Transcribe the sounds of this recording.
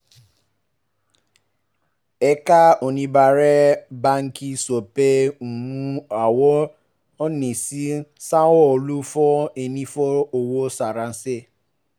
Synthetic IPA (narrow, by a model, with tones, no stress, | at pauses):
e˦ka˦o˨nĩ˦ba˨ɾe˦ba˦ŋ̩˦ki˦so˨pe˦˨mũ˦a˨wɔ˦ | ɔ˦ni˨si˦sa˦wɔ˦o˨lu˦fɔ˦e˨nĩ˦fɔ˦o˨wo˦sa˨ɾa˨n̩˦se˦